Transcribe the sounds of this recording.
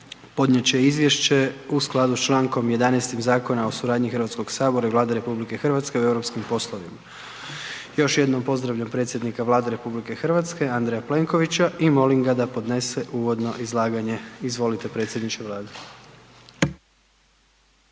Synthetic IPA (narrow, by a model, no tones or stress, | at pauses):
po̞d̪nɲjet͡ɕejizʋje̞ʃt͡ɕe̞usklˠad̪ust͡ʃlˠaːŋko̞mje̞d̪anɛst̪imzaːko̞naosuɾaːd̪ɲixəɾʋat̪sko̞ɡ̥saːbo̞ɾaivʋlˠaːd̪eɾe̞publike̞xrʋat̪ske̞ue̞wɾopskimpo̞slˠo̞ʋima | jo̞ʃje̞d̪no̞mpo̞zd̪ɾaʋʎampɾe̞t̪sjed̪nikaʋlˠaːd̪eɾe̞publike̞xr̩ʋat̪ske̞and̪ɾejaple̞ŋko̞ʋit͡ɕaʔimo̞liŋɡad̪apo̞d̪ne̞se̞ʔuːʋo̞d̪no̞ʔizlˠaːɡaɲe̞izʋo̞lit̪e̞pɾe̞t̪sʲjed̪nit͡ʃeʋlˠaːd̪e